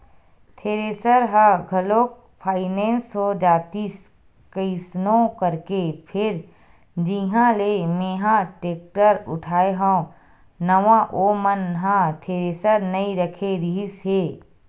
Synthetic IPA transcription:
t̪ʰeːɾeːsəɾɦãɡʱɐloːk | pʰaːɪnẽːnsɦod͡ʒaːt̪is | kəsnõkəɾkepʰɪɾ | d͡ʒiɦãlemeːɦãʈeːk̚ʈəɾʊ̰ʈʰaːeɦõː | nəʋãʔoːmənɦãt̪ʰeːɾeːsəɾnɐiɾəkʰeɾiɦɪsɦeː

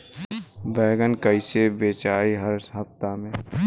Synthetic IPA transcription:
bɛːɡənkəɪsebeːt͡ʃaːiɦəɾɦɐft̪amẽː

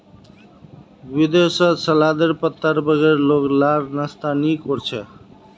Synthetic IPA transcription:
bid̪esʌsəlad̪əɾpət̪ːəɾbəɡeɾloklaɾnəst̪anikoɾt͡ʃʰe

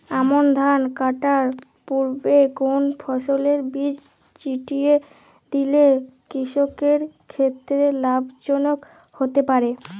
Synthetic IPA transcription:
amond̪ʱankaʈaɾ | puɾbeɡonfʰɔʃoleɾbid͡ʑ | t͡ɕiʈije | d̪ilekɾiʃokeɾkʰet̪ːɾelabʱd͡ʑonok | hot̪epaɾe

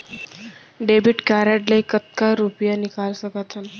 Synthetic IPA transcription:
ɖebiʈkaɾaʈləjkət̪̚kaɾupjanikalsəkat̪ʰən

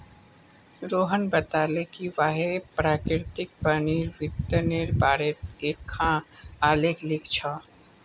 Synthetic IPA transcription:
ɾoːɦənbət̪aːlekiʋaːɦepɾaːkɪɾt̪ɪk̚pəniɾʋɪt̪ːəneɾbaːɾet̪̚eːkʰːãaːleklɪkʰt͡ʃʰɔ

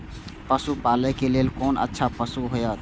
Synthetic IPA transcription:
pəsupalɛkelelkoːnə̰tːʃʰapəsuɦojət̪

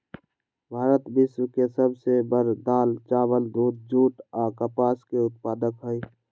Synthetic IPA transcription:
bʱaːɾət̪bɪswkesəbsebəɾd̪aːlt͡ʃaːwəld̪ʱuːt̪̚d͡ʒuːʈɔːkəpaːskeʊt̪̚paːd̪əkɦʊi

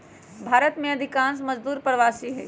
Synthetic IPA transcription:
bʱaːɾət̪mẽɐd̪ʱɪkãːns̬mɐzd̪uːɾpɾəʋaːsiɦɛ̰ː

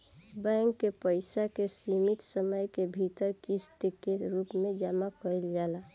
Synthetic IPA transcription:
bɛŋkːepəɪsakesimit̪səməjkebʱit̪əɾkist̪ekeɾupmẽd͡ʒaːmakəɾild͡ʒaːla

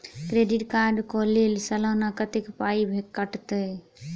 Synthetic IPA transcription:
kɾeɖiʈkaɾɖkɔlelsəlanakət̪ekpaibʱekkːəʈt̪ə

